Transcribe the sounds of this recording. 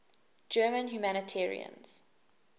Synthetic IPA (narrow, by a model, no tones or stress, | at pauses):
d͡ʒɜːmə̃nɦjumænətʰɛːɹḭə̰̃nz̥